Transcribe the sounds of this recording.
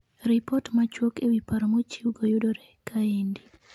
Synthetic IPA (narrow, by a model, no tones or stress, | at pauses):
ɾipɔtmat͡ʃwokewipaɾomot͡ʃiuɡojʊdoɾɛkʰːaendi